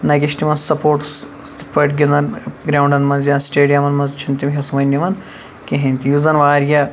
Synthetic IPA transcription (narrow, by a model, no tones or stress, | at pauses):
nɐkʲiʃt̪imɐnzsɐpoːʈs | pɐʈɡʲind̪ɐnɡɾaːwɳɖɐnmɐnzjansʈeːɖijɐmɐnmɐnzt͡ʃʰint̪imɦʲɐsɐmɐnʲːɐʋɐn | kʲeɦẽnʲt̪ijuzɐnʋaːɾjɐ